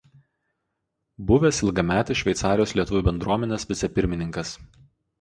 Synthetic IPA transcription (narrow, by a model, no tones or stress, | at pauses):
bʊʋʲeːsɪlˠɡɐmʲæːt̪ʲɐʃʲʋʲɛɪt̪sɑːɾʲɪjoːslʲiɛt̪ʊʋʲuːbʲɛnd̪ɾuɔmʲɛnʲeːsʋʲɪt̪sʲɛpʲɪɾʲmʲɪnʲɪ̃ŋkɐs